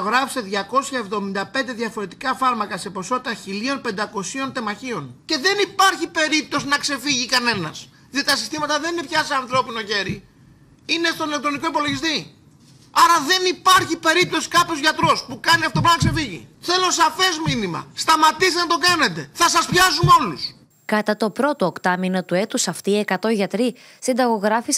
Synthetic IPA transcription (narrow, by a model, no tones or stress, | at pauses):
ɣɾɐfseðʝɐko̞sçɐevðo̞mind̪ɐpe̞nd̪e̞ðjʝɐfo̞ɾe̞t̪ikɐfɐɾmɐkɐse̞po̞so̞t̪it̪ɐçilio̞npe̞nd̪ɐko̞sio̞nt̪e̞mɐçio̞nce̞ðe̞nipɐɾçipe̞ɾip̚t̪o̞sinɐkse̞fiʝikɐne̞nɐ̰s | ðijot̪it̪ɐsi̥st̪imɐt̪ɐðe̞nine̞pçɐseɐnθɾo̞pino̞ʝe̞ɾi | ine̞st̪onilek̚t̪ɾo̞niko̞ipo̞lo̞ʝist̪i | ɐɾɐðe̞nipɐɾçipe̞ɾip̚t̪o̞si̥kɐpço̞zʝɐt̪ɾo̞spukɐniɐft̪opɾɐnɐkse̞fiʝḭθe̞losɐfe̞zminimɐ̰st̪ɐmɐt̪ist̪nɐt̪okɐne̞t̪e̞θɐsɐspçɐzuno̞lus | kɐt̪ɐt̪o̞pɾo̞t̪o̞okt̪ɐmino̞t̪ue̞t̪usɐft̪iekɐt̪o̞ʝɐt̪ɾi | sind̪ɐɣo̞ɣɾɐfis